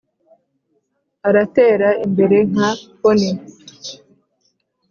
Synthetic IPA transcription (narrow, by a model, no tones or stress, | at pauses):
aɾateːɾaimbe̞ɾe̞ŋ̥akoni